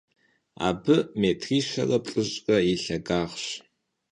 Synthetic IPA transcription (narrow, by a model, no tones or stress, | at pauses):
a̰ːbɨmeːtʰriːʃɐ̰rɐpʼɬʼɨɕʼɐiɬɐɡaːʁɕ